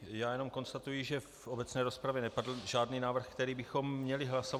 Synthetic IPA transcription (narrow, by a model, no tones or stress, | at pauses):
jaːjɛno̞mko̞nst̪at̪ujɪʒɛfʔobɛt͡snɛːɾo̞spɾavjɛnɛpadl̩ʒaːdniːnaːvr̩xkt̪ɛɾiːbɪxo̞mːɲɛlɪɦlaso